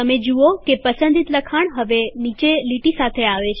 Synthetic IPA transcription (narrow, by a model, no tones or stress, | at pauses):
əmed͡ʒuokepəsənd̪ʱit̪ləkʰaɳ̃ɦəʋenit͡ʃeliʈisat̪ʰeaʋet͡ʃʰ